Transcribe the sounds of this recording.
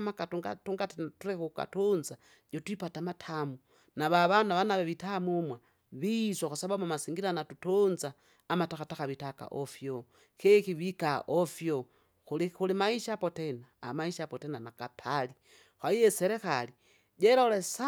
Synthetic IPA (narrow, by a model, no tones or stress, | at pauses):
makatuɡatuŋɡattuɾekuka̰tunza | jotwipatamatʰamu | naβaβanaβanaβeβitamumwa | βiswakusaβamamasiŋɡiɾanatutunzaː | mataxataxaβitaka̰ʔofjo | xekiβikaʔofjo | xulixulimaiʃapotena̰ːmaiʃapotenanakapʰali | xaijeseɾexali | ɟeɾalesa